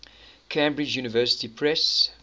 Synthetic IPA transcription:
kʰẽɪ̃mbɹɪd͡ʒjuːnəvɜːsɪ̥tipʰɹɛs

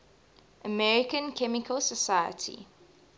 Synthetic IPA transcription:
ʔəmɛɹikə̃nkʰɛmɪkʰəlsəsajə̰tʰḭ

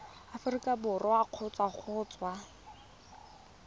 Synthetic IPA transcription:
afʊrikʼabʊrʔɔaq͡χʰʊt͡sʼwak͡xʰʊːt͡sʼwa

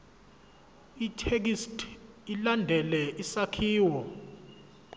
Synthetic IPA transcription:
itʰek̬istʼ | ilandʱɛlɛʔisakʰiːwɔ

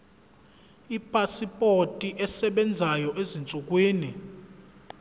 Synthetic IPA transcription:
ipʼasipʼotʼiʔɛsɛɓɛnd͡zʱajɔʔezint͡sʼuk̬ʼwiːni

